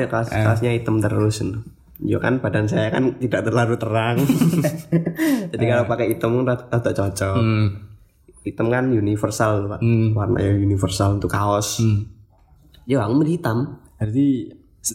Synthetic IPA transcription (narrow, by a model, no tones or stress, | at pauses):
akaskasɲait̪əmt̪əɾʊsnʊ | d͡ʒukanb̥adans̬ajakant̪idaʔt̪ərlaɾut̪əɾaŋ | d͡ʒadikalopakɛit̪əmnat̪əʔt͡ʃɔt͡ʃɔ | it̪əmkanjunifərsalpaʔwarna̰jajunifərsalnt̪ukaɔs | d͡ʒoaŋumədit̪amdart̪i